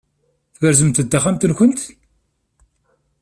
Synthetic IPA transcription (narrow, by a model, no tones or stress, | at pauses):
θvəɾzəmt̪əd̪ːaχamt̪ənçʷənt̪